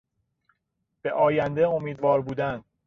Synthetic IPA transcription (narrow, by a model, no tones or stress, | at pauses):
b̥e̞ʔɒːjænd̪eomiːd̪vɒːɾbuːd̪ænd̪